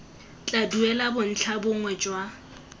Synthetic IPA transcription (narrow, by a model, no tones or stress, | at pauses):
t͡ɬʼaduɛlabʊn̩t͡ɬʰabʊŋwɛt͡ʃʼwa